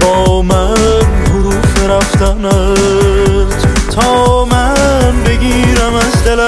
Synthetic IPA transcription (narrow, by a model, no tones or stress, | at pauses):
bɔmanhʊɾufeɾaft̪ʰana | t̪t̪ʰɒmanbeɡʲiɾamazd̪ela